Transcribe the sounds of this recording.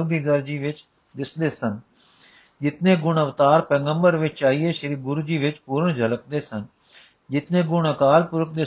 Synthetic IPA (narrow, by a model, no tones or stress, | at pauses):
ɡiːzəɾd͡ʒiːʋɪt͡ʃ | d̪ɪsd̪eːsən | d͡ʒɪt̪nẽːɡʊɳəʋt̪aːɾpɛːɡəmbəɾʋɪt͡ʃaːiːeːʃəɾiːɡʊɾd͡ʒiːʋɪt͡ʃpuːɾəɳd͡ʒʱələk̚d̪eːsən | d͡ʒɪt̪nẽːɡʊɳəkaːlpʊɾək̚d̪eː